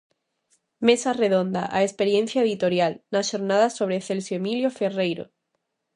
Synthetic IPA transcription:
me̞sare̞ðõ̞nd̪a̰ʔaespe̞ɾjẽ̞n̟θjaeðit̪o̞ɾjalnaʃo̞ɾnaðaso̞β̞ɾeθelsjoemiljoferejɾo̰

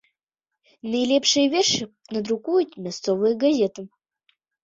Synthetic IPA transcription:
nɨjlʲepʂɨjvʲerʂɨ | nɐd̪ɾukujut̪mʲast̪t͡sovɨjɡazʲet̪ɨm

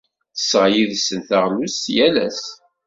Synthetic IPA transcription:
θə̥sːʁjiðsənθəʁlusjælæ̰s

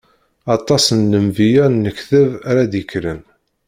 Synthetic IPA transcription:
ɑt̪ˤɑsənːəmvijænːəçθəvæɾæd̪ikːɾən

